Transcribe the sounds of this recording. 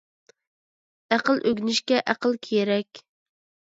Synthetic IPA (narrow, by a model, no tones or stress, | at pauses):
æqəlˠʔøɡʲnɪʃkʲɛʔæqəlˠkʲʰeɾɛkʲ